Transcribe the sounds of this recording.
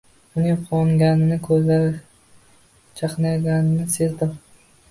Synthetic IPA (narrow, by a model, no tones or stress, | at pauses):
ʊnɪŋqʰɒŋɡʲanɪnɪkʰɵzlaɾ | t͡ʃʰɑqnaɡʲanɪnɪse̞zd̪ɪm